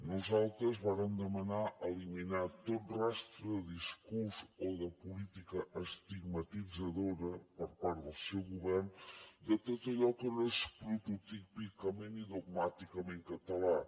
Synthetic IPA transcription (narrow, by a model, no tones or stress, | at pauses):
nuzalˠt̪ɾəzβaɾəmd̪əmənaʔəliminat̪ot̪rast̪ɾəðəðiskuɾzoðəpulit̪ikəʔəst̪iɡmət̪id͡zəðoɾəpəɾpaɾt̪d̪əlˠsɛwɣuβɛrnd̪ət̪ot̪əʎɔkənospɾut̪ut̪ipikəmeniðuɡ̚mat̪ikəmeŋkət̪əla